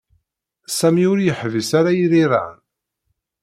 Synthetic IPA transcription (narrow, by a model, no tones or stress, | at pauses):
sæmiʊɾjəħvisaɾajiɾiɾˤa̰n